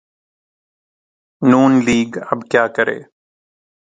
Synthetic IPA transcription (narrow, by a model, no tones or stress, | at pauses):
nuːnliːɡə̰bkjaːkəɾḛː